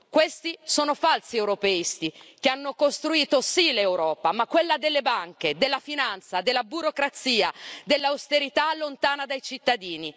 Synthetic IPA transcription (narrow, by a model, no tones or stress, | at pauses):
kwest̪isoːnofalsiɛwɾopeist̪ikeanːokost̪ɾuiːt̪osilewɾɔːpamakːwelːad̪elːebaŋked̪elːafinant̪sad̪elːabuɾokɾat̪siːad̪elːawst̪eɾit̪alːont̪aːnad̪ajt͡ʃit̪ːad̪iːni